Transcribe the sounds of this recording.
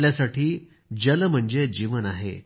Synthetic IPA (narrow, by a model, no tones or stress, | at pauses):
ljasaʈʰiː | d͡ʑəlm̤əɳd͡zed͡ʑiʋənaɦḛ